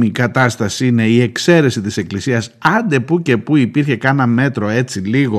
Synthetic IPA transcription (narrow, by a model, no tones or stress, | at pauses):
ikɐt̪ɐst̪ɐsiine̞ie̞kse̞ɾe̞sit̪ise̞klisiɐsɐnd̪e̞puce̞puipiɾçe̞kɐnɐme̞t̪ɾo̞e̞t͡siliɣo̞